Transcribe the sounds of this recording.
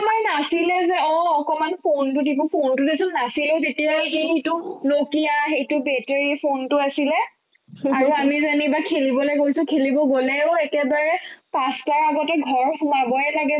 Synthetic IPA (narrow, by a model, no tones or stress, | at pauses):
amajnasilɛzɛɔ̃ɔkɔmanpʰontʊtikɔpʰontudesʊlnasilɛʊzetijaxexitʊlokijaxejtʊbɛteɹipʰontʊasilɛ | aɹuamizanibakʰelibɔlojkoisʊkʰelibɔɡolɛʊekɛbaɹɛpastaɹaɡɔtɛɡʱɔɹsunabɔɛlaɡɛ